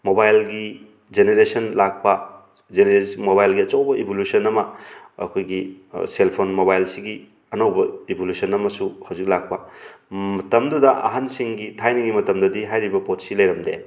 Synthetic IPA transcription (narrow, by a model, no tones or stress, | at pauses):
mobajlɡi | d͡ʒeneɾesɐnlak̚pɐ | d͡ʒeneɾesmobajlɡiɐt͡ʃɐwbɐʔibʱolusɐnɐmɐɐ̰kʰojɡiselpʰonmobajlsiɡi | ɐnɐwbɐebʱolusɐnɐmɐsuhawzik̚lak̚pɐ | mɐtɐmdudɐʔɐ̰ɦansiŋɡitʰajniŋɡimɐtɐmdɐdiɦajɾibɐpotsilɐjɾɐmdḛ